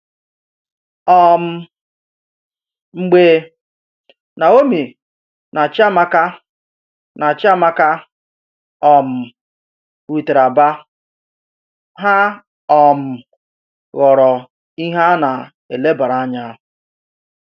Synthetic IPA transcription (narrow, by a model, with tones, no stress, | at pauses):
ɔ˨m̩˦˨ | ŋ͡m̩˨ɡ͡be˨ | na˨o˦mi˨ | na˨t͡ʃa˦ma˦ka˦ | na˨t͡ʃɪ˦a˦ma˦ka˦ | ɔ˨m̩˨ | ɾu˨te˨ɾa˨ba˦ | ɦa˦ | ɔ˨m̩˨ | ɣɔ˨ɾɔ˨ | i˦ɦa˦na˨ | e˨le˦ba˨ɾa˨˦ɲa˦˨